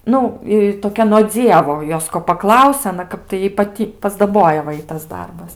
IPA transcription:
ˈnʊ ɪ toːˈkʲɛ noː ˈd͡zʲiɛʋoː ˈjoːs koː pɐˈklˠɐʊsʲɛ ɐˈnɐ ˈkɐp tɐɪ ˈjɛɪ pɐˈtʲiː pɐzdɐˈboːjɛ ʋɐ ˈɪtɐs ˈdɐrbɐs

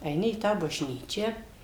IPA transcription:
ɛɪˈnʲɪ iː ˈtɑː bɐʒʲˈnʲiːt͡ʃʲæː

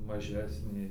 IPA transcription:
mɐˈʒʲæːsʲnʲeː

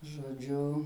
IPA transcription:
ʒoːˈd͡ʒʲʊ

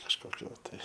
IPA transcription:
kɐʃkoːˈkʲʊ ˈtɐɪ

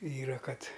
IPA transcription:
ˈiːrɐ ˈkɐt

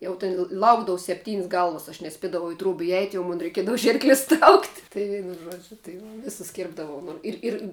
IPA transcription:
ˈjɛʊ tʲɪn ˈlˠɐʊɡdɐʋʊ sʲɛpʲˈtʲiːnʲsʲ ˈɡɐlˠʋɐs ɐʃ nʲɛˈsʲpʲiɛdɐʋɐʊ ɪ truɔp ɪˈɛɪt jɛʊ ˈmoːn rʲɛɪˈkʲiɛdɐʋʊ ˈʒʲiːrklʲɪs trɐʊktʲ ˈtɐɪ ˈʒuɔd͡ʒʲʊ tɐɪ ʋɐ ˈʋʲɪsʊs ˈkʲɪrbdɐʋɐʊ nʊ ˈɪr ˈɪr

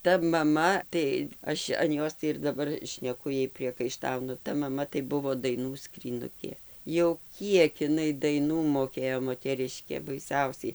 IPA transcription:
ˈtɐ mɐˈmɐ tɐɪ ˈɐʃ ɐn ˈjoːs tɐɪ ɪr dɐˈbɐr ʃʲnʲɛˈkʊ ˈjɛɪ pʲrʲiɛkɐɪˈʃtɐʊnʊ ˈtɐ mɐˈmɐ tɐɪ ˈbʊʋoː dɐɪˈnuː skrʲiːˈnʊkʲeː jɛʊ ˈkʲiɛk ɪˈnɐɪ dɐɪˈnuː moːˈkʲeːjoː moːtʲɛˈrʲɪʃʲkʲeː bɐɪˈsʲɛʊsʲɛɪ

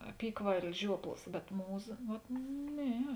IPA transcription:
ɐpʲiːkʋɐɪlʲɪs ˈʒʲuɔplˠɐs bʲɛt ˈmuːˌzɐ ʋɐt ˈnʲɛ

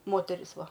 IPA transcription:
ˈmoːtʲɛrʲɪs ˈʋɐ

